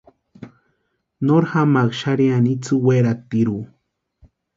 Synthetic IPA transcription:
noɾhamakʃaɾianit͡suweɾat̪iɾu

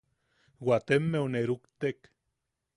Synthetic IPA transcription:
wwat̪emːeuneɾukt̪ek

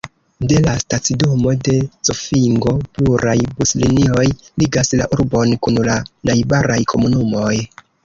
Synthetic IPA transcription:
de̞lastat͡sidomo̞de̞t͡sofiŋɡo̞puɾʔajbuslinio̞jliɡasla̰ʔuɾbo̞nkunlanajbaɾajkʰo̞munumo̞j

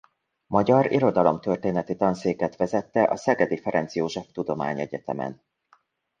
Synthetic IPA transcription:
mɒɟɒɾḭɾo̞d̪ɒlo̞mt̪ø̞rt̪eːnɛt̪it̪ɒnseːkɛt̪ʋɛzɛt̪ːɛʔɒsɛɡɛd̪ifɛɾɛnt̪sjoːʒɛft̪ud̪o̞ma̰ːɲɛɟɛt̪ɛ̰mɛ̰n

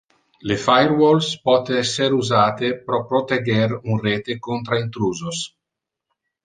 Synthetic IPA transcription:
lefajɾwolspɔt̪eɛsːeɾuzaːt̪epɾɔpɾot̪eɡeɾunreːt̪ekont̪ɾaint̪ɾuːzos

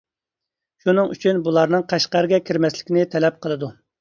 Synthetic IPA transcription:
ʃunɨŋy̰t͡ʃʰynbulˠɑɾnɨŋqʰɑʃqæɾɡʲɛkʲʰiɾmɛslɪ̥kʲinɪt̪ʰɛlɛp̚qʰəlˠɨd̪u

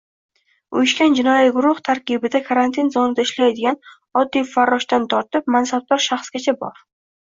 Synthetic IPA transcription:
ʊjɪʃkʲand͡ʒɪnɒjiɡʊɾʊht̪ʰaɾkʲɪbɪd̪akʰaɾant̪ʰɪnzɒnɪd̪aɪʃlajad̪ɪɡʲan | ɒd̪ːijfaɾːɒʃt̪ant̪ʰɒɾt̪ɪp̚mansab̚t̪ɒɾʃaχsɡʲat͡ʃʰabɒ̰ɾ

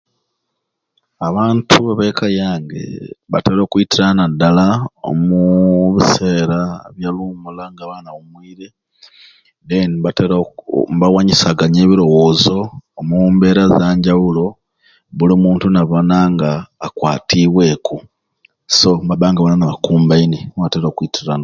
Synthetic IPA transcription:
aβaːntʰuβaβekʰajaːŋɡḛβa̰teβlo̞ːkuitiɾanadːalao̰muβise̞ːɾaβjalumulaŋɡaβaːnaβumwiːɾe̞ | den | βawaɲisaɡaɲeːβiɾo̞wo̞ːzo̞ːmumbe̞ɾazaːɲɟawulo̞ | βulimuːntunaβonaŋɡaːkwaːtʰiβwe̞ku | so̞mbaβaːŋɡaβananaβakuːmbaineβateɾokwitiɾana

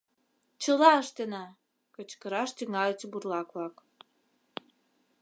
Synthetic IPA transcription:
t͡ɕəlɑəʃt̪enɑ | kət͡ɕkəɾɑʃt̪yŋɑlet͡seburlɑkβlɑk

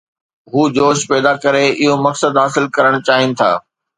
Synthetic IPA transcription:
ɦuːd͡ʑoːʃpɛːd̪akɐɾeɪɦomɐksəd̪ɦaːsɪlkɐɾəɽ̃ʊt͡ɕaːɦɪnɪ̆t̪ʰa̰ː

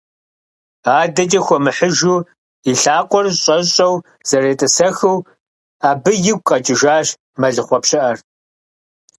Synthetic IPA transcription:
aːdɐt͡ʃʼɐxʷɔmɨħəʒuː | iɬaːqʷʼɔrɕʼɐɕʼɐw | z̥ɐreːtʼɨsɐxɨw | aːbɨjɪɡ̚ʷʼqʼɐt͡ʃʼɪʒaːɕ | mɐɮɨχʷɔpɕɪʔɐr

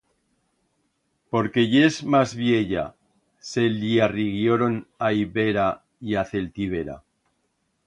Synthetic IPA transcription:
po̞ɾke̞ʝezmazβje̞ʎa̰ | se̞liariɣjoɾo̞naiβe̞ɾa | iaθe̞lt̪iβ̞e̞ɾa̰

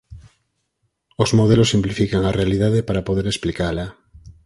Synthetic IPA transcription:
ozmoð̞elosimplifikaŋarealið̞aðepaɾapoðeɾesplikala

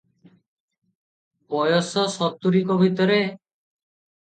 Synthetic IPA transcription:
pɔjɔsɔsɔt̪ːuɾikɔbʱit̪ɔɾe

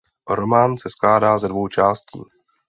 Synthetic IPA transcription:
ɾo̞maːnsɛsklaːdaːzɛdvo̞wt͡ʃaːscḭː

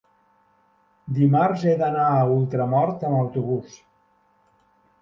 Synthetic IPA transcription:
d̪imaɾzed̪ənaːulˠt̪ɾəmɔɾt̪əməwt̪uβus

